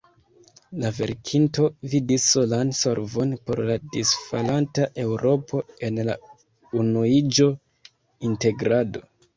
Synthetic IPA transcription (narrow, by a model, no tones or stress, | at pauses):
lave̞̰ɾkʰinto̞vidisːo̞lanso̞ɾvo̞npo̞̰ɾladisfalantaʔe̞wɾʔo̞pʰo̞e̞nla | unuid͡ʒo̞ | inte̞ɡɾado̞̰